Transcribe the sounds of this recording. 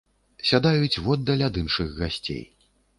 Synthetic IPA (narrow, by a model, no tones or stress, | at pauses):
sʲad̪ajut͡sʲvɔd̪ːɐlʲad̪ɨnʂɨɣɣasʲt͡sʲḛj